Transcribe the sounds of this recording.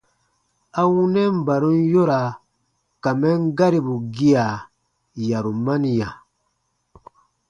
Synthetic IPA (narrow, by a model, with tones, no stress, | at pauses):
a˦wũ˦nɛ˦m̩˨ba˨ɾũ˦n˦jo˦ɾa˨ | ka˨mɛ˦ŋ˦ɡa˦ɾi˨bu˨ɡi˦a˨ | ja˨ɾu˨ma˦ni˨ja˨